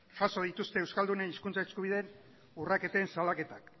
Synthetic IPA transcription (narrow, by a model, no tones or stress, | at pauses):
ʝaso̞ð̞it̪ust̪e̞ːwskald̪uneniskunt͡saeskuβiðe̞n | urake̞t̪eːnsalake̞t̪ak